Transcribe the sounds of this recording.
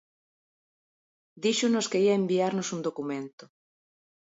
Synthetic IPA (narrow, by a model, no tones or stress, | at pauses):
d̪iʃʊnoskeiaembiaɾnosund̪okumẽnt̪o